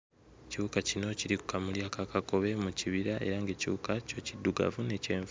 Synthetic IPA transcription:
ciukacino̞ciɾiku̥kamuljaːkakako̞βe̞muciβiɾaʔe̞̰ɾaŋɡe̞ciukaco̞cidːuɡa̰vune̞ceːɱv

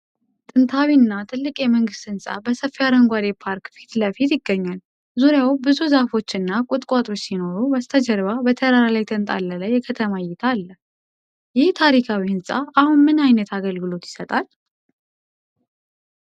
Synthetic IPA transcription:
t̪ʼɨnt̪ʰawinːat̪ʰɨlːɨkʼjɛməŋɡɨst̪ɨnsʼa̰bəsəfːijad̪əŋɡʷad̪epʰaɾkfi̥t̪ləfit̪jɪɡːəɲːal | zuɾjawbɨzuzafo̞t͡ʃːɨnːakʼʊt̪ʼkʼat̪ʼo̞t͡ʃːsino̞ɾubast̪ʰəd͡ʒəɾβabət̪ʰəɾaɾalajt̪ʰʼɨnt̪ʼa̰lːələjːɛkʰət̪ʰəmajɛt̪ʰalːə | jɪht̪ʰaɾikʰawiɨnsʼaahunmɨnajnət̪ʰaɡəlɡɨlo̞t̪jɪ̥sət̪ʼal

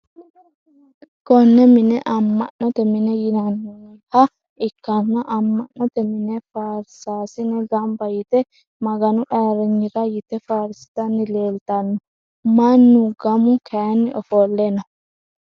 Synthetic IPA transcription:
ɡ̥ɔnːɛmɪnɛʔɐmːɐ̰nːɔt̪ɛmɪnɛjɪnɐnː | hɐ | ɪkːɐnːɐʔɐmːɐʔɔt̪ɛmɪnɛfaɾsaːsɪnɛɡɐmbɐjɪt̪ɛ | mɐɡɐnʊʔaːɾɪɲːɪɾɐjɪt̪ɛfaɾɪst̪ɐnːɪle̞ːlt̪ɐnːʊ | mɐnːʊɡɐmʊkʰɛnːɪʔɔfoːlːenɐ

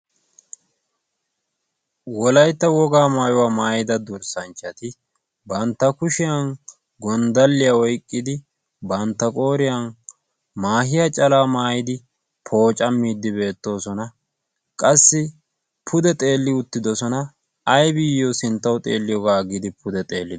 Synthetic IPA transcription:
wɔlɐjt̪ːɐwɔɡaːmaːjʊwaːmaːjɪd̪ɐd̪ʊɾsɐnt͡ʃːɐt̪ɪ | bɐnt̪ːɐkʊʃɪjɐn | ɡɔnd̪ɐlːɪjɐɔjkʼːɪd̪ɪ | bɐnt̪ːɐkʼo̞ːɾɪjɐn | maːhɪjɐt͡ʃʼɐlaːmaːjɪd̪ɪ | pʰo̞ːt͡ʃʼɐmːiːd̪ːɪbe̞ːt̪ːo̞ːsɔnɐ | kʼɐsːɪ | pʰʊd̪ɛt̪ʼe̞ːlːɪʊt̪ːɪd̪ɔsɔnɐː | jbɪjːosɪnt̪ːɐwt̪ʼḛːlːɪjɔɡaːɡɪd̪ɪpʰʊd̪ɛt̪ʼe̞ːlːɪd̪

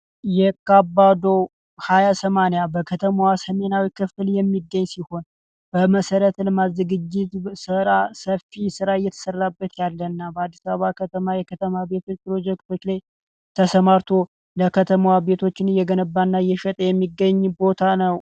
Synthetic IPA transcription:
jɛkabːad̪o̞ | hajasəmanjabəkʰət̪ʰəmawasəme̞nawikʰɨfɨljɛmːiɡːəɲːsiho̞n | b̥əməsəɾət̪lmazːɨɡɨd͡ʒːɪt̪sɨɾasəfisɨɾajːɛt̪ʰə̥sərːabːət̪jalːənːabəad̪ːisaββakʰət̪ʰəmajɛkʰət̪ʰəmabe̞t̪ʰo̞t͡ʃːpɾo̞d͡ʒɛkt̪ʰo̞t͡ʃːlaj | t̪ʰəsəmaɾt̪ʰo̞ | ləkʰət̪ʰəmawabe̞t̪ʰo̞t͡ʃːɪnjɛɡənəbːanːajɛʃət̪ʼəjɛmːiɡːəɲːbo̞t̪ʰanəw

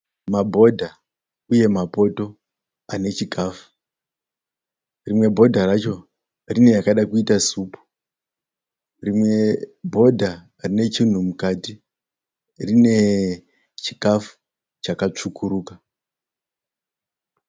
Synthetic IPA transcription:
mabʱo̞dʱa | uje̞mapo̞to̞ | ane̞t͡ʃikaːfu̥ | rimwe̞bʱo̞dʱarat͡ʃo̞ | rine̞jakaɗakuitasuːpu̥ | rimwe̞bʱo̞dʱa | rine̞t͡ʃin̤umukati | rine̞ | t͡ʃikafu̥ | t͡ʃakat͡ʂukuɾuːka

